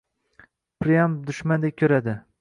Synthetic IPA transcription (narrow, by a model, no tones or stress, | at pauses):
pʰɾɪjamd̪ʊʃmand̪ek̚ʲkʲʰɵɾad̪ɪ